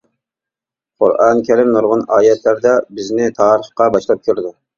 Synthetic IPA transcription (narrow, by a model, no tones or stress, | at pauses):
qʰʊ̰ɾʔɑnkʲʰæɾɪmnoɾʁɑnɑːjɛt̪ʰlæɾd̪ɛbɪznɪt̪ʰɑːɾəχqɑbɑʃlˠɑp̚kʲʰøɾɪd̪u